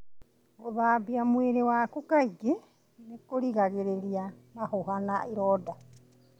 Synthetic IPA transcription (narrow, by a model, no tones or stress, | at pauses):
oβaːbiamueɾewakukajɡe | mekoɾiɡaɡeɾeɾiamaɦoɦanaʔiɾoda